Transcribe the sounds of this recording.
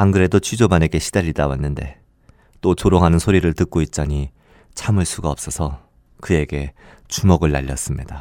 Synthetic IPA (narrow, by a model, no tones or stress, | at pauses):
aŋɡɯɾe̞dot͡ɕʰɥid͡ʑobane̞ɡe̞ɕʰidaʎːidawanːɯnde̞̰ | t͈ot͡ɕoɾoŋɦanɯnsʰoɾiɾɯɭtɯk̚k͈oit̚t͡ɕ͈aɲi | t͡ɕʰamɯɭs͈ʰuɡaʌp̚s͈ʌsʰʌ | kɯe̞ɡe̞ | t͡ɕumʌɡɯɭːaʎːʌs͈ɯmɲida